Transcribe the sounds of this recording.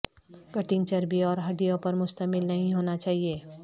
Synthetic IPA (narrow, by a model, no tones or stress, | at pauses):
kɐʈɪ̃ŋɡ̚t͡ʃɐɾbʱiɔːɾɦɐɖijõpɐɾmʊst̪əmɪlnɐɦĩɦoːnat͡ʃaːɦieː